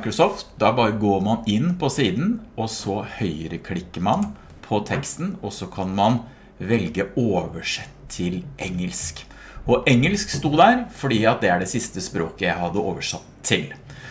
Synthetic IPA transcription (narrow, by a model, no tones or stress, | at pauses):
kɾɔsɔːft̪̚d̪ɑbɑːɾəɡoːɾmɑnɪnpʰɔsiːd̪n̩ɔsɔhœʏəɾəkʰlɪkːəɾmɑn | pʰɔt̪ʰɛkst̪n̩ɔsɔkʰɑnmɑn | ʋɛlɡəoːʋəʂɛt̪ʰːɪlʔɛŋːəlsk | ɔʔɛŋːəlskst̪uːd̪æɾfɔɖiːɑt̪̚d̪ɛæɖɛsɪst̪əspɾoːkəjæɪhɑd̪ːəoːʋəʂɑt̪ʰːɪl